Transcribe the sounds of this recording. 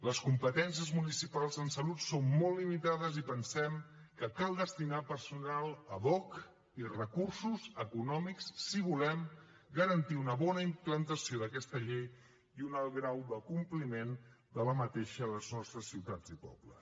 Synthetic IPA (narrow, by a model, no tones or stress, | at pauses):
ləskumpət̪ɛns̬ijəzmunisipalˠzənsəlut̪sonmolːimit̪aðəzipənsɛm | kəkalˠd̪əst̪inapərsunalˠəβɔk | irəkursuzəkunɔmiksːiβulɛm | ɡəɾənt̪iunəβɔnəimplənt̪əsioðəkɛst̪əʎej | iunalˠɣɾawd̪əkumplimen | d̪ələmət̪eʃələznɔst̪ɾəsːiwt̪ad͡zipɔ̰blə̰s